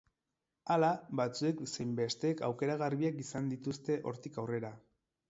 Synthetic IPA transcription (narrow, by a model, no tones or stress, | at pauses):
alaβat͡sue̞ksejmbe̞st̪e̞ːkawke̞ɾaɣarβiakisand̪it̪ust̪e̞ʔo̞̰ɾt̪ikawre̞ɾa